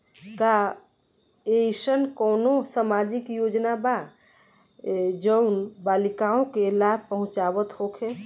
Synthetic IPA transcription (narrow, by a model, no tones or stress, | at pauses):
ka | esənkɔʊnosamad͡ʒikjod͡ʒnaba | d͡ʒəʊnbalikaõkelabʱpəɦʊ̃t͡ʃabət̪hokʰe